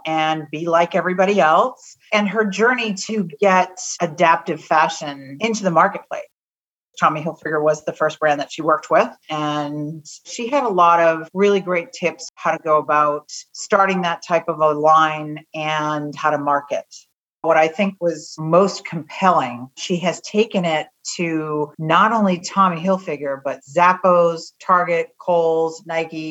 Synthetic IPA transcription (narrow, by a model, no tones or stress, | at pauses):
ɨ̃nbilaɪkɛvɹibɑɾiɛlˠs | ɨ̃nə˞d͡ʒɜ˞niɾɨɡɛtɨdæp̚tɨv̥fæʃɨ̃nɪ̃ntʉðəmɑɹkɨt̚pʰl̥ḛɪs | tʰɑmiɦɪlˠfɹɪɡə˞wʌzðɨfɜ˞s̚b̥ɹæ̃nðɨtʃiwɜ˞k̚t̚wɪð̥ɨ̃nʃiɨɾəlɔɾʌvɹɪlˠiɡɹeɪtʰɪpshaʊɾɨɡoʊəbaʊt̚stɑɹɾɪ̃ŋðɨtʰːaɪpʌvəlãɪ̃nɨ̃nhaʊɾəmɑɹkɨt̚ | wʌɾaɪθɪ̃ŋkwʌz̥moʊstkʰm̩pʰɛlˠɪ̃ŋʃiɨz̥tʰeɪkɨ̃nɪtʰɨnəɾõʊ̃nlitʰɑmiɦɪlˠfɪɡjə˞bʌtzæpoʊz̥tʰɑɹɡɨt̚kʰoʊlˠznaɪɡi